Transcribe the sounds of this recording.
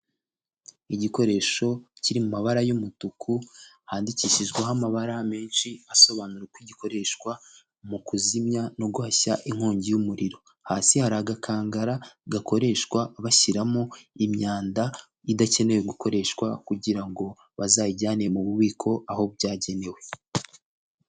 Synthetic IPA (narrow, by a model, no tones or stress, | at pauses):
iɟiko̞ɾe̞ːʃo̞ciɾimumaβaɾajumutukʰu | haːndiciːʃiʒɡweɦamaβaɾame̞ːnʃiaso̞βanuɾekwiɟiko̞ɾe̞ʃkwa | mukuzimɲano̞ɡuhaçaʔiŋ̥hoːɲɟijumuɾiɾo̞ | haːsihaɾaɡakʰaːŋɡaɾaɡakʰo̞ɾe̞ʃkwaβaçiɾamoimɲaːnda | idace̞ne̞weɡuko̞ɾe̞ʃkwakuɟiɾaŋɡo̞ | βazaːjiɟaːnemuβuβiːkʰo̞aho̞bɟaːɟe̞ne̞we